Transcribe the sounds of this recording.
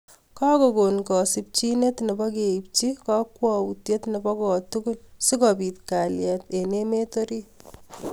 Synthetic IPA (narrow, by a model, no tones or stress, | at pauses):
kakokonkɔsip̚t͡ʃinetnebɔkeip̚t͡ʃikɔkwɔwutjetnebɔkɔtukunsikɔpit̪̚kaljɛt̪enemetoɾi